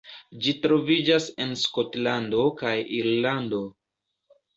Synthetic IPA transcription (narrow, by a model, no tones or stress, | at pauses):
d͡ʒitɾo̞vid͡ʒase̞nsko̞tlando̞kajiɾlando̞